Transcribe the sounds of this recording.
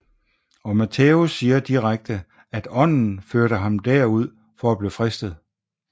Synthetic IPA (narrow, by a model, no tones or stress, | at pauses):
ɒ̽mæt͡sʰeusːiːɐd̥iʁaɡ̥̚d̥ə | æd̥ɒ̽n̰n̩føɐɾəɦɑ̈md̥æɐ̰uð̞̰ˠ | fɒ̽æb̥lifʁɛsd̥ð̞̩ˠ